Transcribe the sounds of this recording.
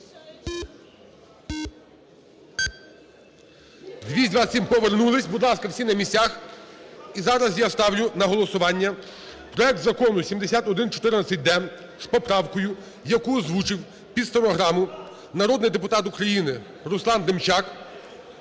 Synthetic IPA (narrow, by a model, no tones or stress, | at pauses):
d̪ʲʋʲisʲtʲd̪ʲʋɑsʲimpɔʋernulˠɪsʲbʊd̪lˠɑskɐwsʲinɐmʲisʲtʲax | izɑɾɐzjast̪ɑwlʲʊnɐɦɔlˠɔsʊʋɑnʲːɐ | pɾɔɛk̚t̪zɐkɔnʊsʲimd̪esʲat̪ɔd̪ɪnt͡ʃɔ̥t̪ɪɾnɐt̪sʲɐt̚ʲd̪ɛm | spɔpɾɑwkɔjʊ | jɐkuzʋut͡ʃɪw | pʲid̪sɔnɔɦɾɑmʊ | nɐɾɔd̪nɪd̪epʊt̪ɑt̪ukɾɐjinɪ | ɾʊslˠɑnd̪emt͡ʃɑk